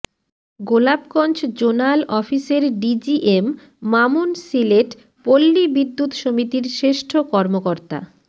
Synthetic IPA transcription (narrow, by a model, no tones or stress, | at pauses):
ɡolabkɔnt͡ɕd͡ʑonalʔɔfiseɾɖid͡ʑiʔemː | amunsileʈ | polːibid̪ːut̪ʃomit̪iɾʃɾeʃʈʰokɔɾmokoɾt̪a̰